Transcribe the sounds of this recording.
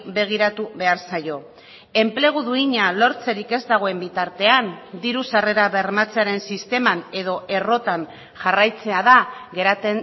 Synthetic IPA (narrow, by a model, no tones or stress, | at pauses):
be̞ɣ̞iɾat̪uβe̞aɾsajo̞ | e̞mple̞ɣ̞uðuiɲalo̞ɾt͡se̞ɾike̞zd̪aɣ̞o̞e̞mbit̪aɾt̪e̞and̪iɾusare̞ɾaβe̞ɾmat͡seaɾe̞nsist̪e̞mane̞ðo̞ʔe̞ro̞t̪an | ʝarajt͡se̞aðaɣe̞ɾat̪en